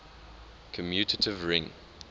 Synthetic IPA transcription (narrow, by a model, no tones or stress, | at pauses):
kʰə̃mjʉˑtətʰɪvɹɪ̃ŋ